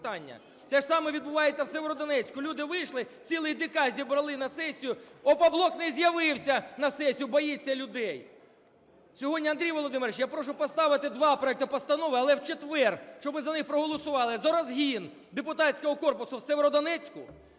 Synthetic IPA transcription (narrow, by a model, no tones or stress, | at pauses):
t̪ɑnʲːɐ̰ | t̪ɛʃsɑmɛʋʲid̪̚bʊʋɑjet͡sʲːɐwsɛʋeɾɔd̪ɔnɛt͡sʲkʊlʲud̪ɪʋɪjʃlˠɪt͡sʲilˠɪjd̪ɪkɑzʲibɾɐlˠɪnɐsɛsʲijʊɔpɐblˠɔknɛzʲjɐʋɪwsʲɐnɐsɛsʲijʊbɔjit͡sʲːɐlʲʊd̪ɛj | sʲɔɦɔdʲnʲiɐnd̪ɾʲijʋɔlˠɔd̪ɪmeɾet͡ʃjapɾɔʃʊpɔst̪ɑʋɪt̪ɪd̪ʋɑpɾɔɛk̚t̪ɪpɐst̪ɐnɔʋɪɐlˠɛwt͡ʃet̪ʋɛrʃt͡ʃɔbmɪzɐnɪxpɾɔɦɔlˠɔsʊʋɑlˠɪzɐɾɐzɦʲin | d̪epʊt̪ɑtʲsʲkɔɦɔkɔrpʊsʊwsɛʋeɾɔd̪ɔnɛt͡sʲkʊ